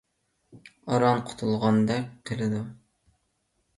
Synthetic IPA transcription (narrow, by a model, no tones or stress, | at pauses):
ɑɾɑnqʰʊ̥t̪ʰulˠʁɑnd̪ɛk̚ʲqʰəlˠɨd̪u